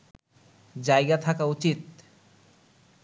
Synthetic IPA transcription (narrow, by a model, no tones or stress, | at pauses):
d͡ʑajɡat̪ʰakaut͡ɕit̪̚